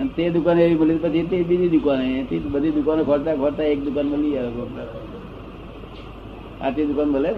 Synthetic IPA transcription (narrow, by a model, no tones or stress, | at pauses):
ənt̪ed̪ʊkaneʋiməlit̪ipət͡ʃʰit̪ebid͡ʒ̪ʱid̪ʊkanet̪ʰibəd̪ʱid̪ʊkanekʰoɽt̪akʰoɽt̪aek̚d̪ʊkanməliaokoɾa | a̰ʈ̪id̪ukanbʱəle